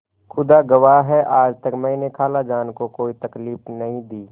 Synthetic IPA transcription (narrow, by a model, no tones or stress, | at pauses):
xʰʊd̪aɡɐʋaːɦɦɛʔaːd͡ʒt̪əkmɛinekʰaːlad͡ʒaːnkokoːit̪ɐkliːfnɐɦĩd̪iː